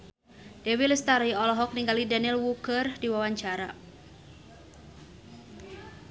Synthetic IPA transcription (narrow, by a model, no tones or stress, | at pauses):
d̥ɛwilist̪aɾiɔlɔɦɔk̚niŋɡalidanilwukərhdiwawaɲt͡ʃaɾa̰